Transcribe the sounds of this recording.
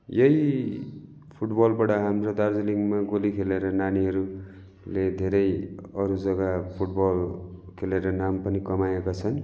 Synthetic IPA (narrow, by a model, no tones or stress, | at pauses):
jʌji | pʰuʈbʌlbaɽʌɦamrod̪ard͡zliŋɡmaɡolikʰeleɾʌnaniɦʌɾu | led̪ʱeɾʌjʌɾud͡zʌɡapʰuʈbʌlkʰeleɾʌnampʌnikʌmajekat͡sʰʌn